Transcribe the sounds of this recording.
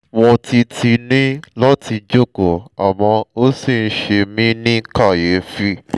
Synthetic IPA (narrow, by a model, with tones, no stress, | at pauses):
wɔ̃˧ti˧tʰi˧nĩ˦lɔ˦ti˧d͡ʒo˦ko˨a˨wɔ̃˧o˦si˦˨n̩˧˦ʃe˧mĩ˦nĩ˦ka˦˨je˨˦fi˦